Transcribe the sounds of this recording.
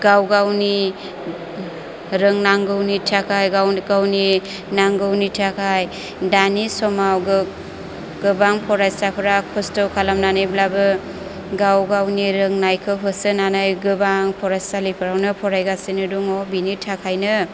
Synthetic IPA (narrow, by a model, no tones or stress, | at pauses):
ɡawɡawni | ɾɯŋnaŋɡɯwnitʰakʰajɡawɡawni | naŋɡɯwnitʰakʰaj | danisɔmawɡɯ | ɡ̥ɯbaŋpʰɔɾastapʰɯɾakʰɔstɔwkʰalamnanɯjblabɯ | ɡawɡawniɾɯŋnajkʰɯɦʰɯsɯnanajɡɯbaŋpʰɔɾastalipʰɯɾawnɯpʰɔɾajɡasinɯduŋɔbinitʰakʰajnɯ